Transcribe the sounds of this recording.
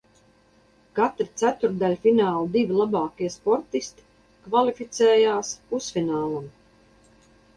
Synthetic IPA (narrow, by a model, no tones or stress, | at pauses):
kat̪ɾit̪sæt̪uɾd̪alʲfinaːlˠud̪ivʲilˠabaːkiɛspɔɾt̪ist̪i̥ | kvalifit̪sɛːjaːspusfinaːlˠum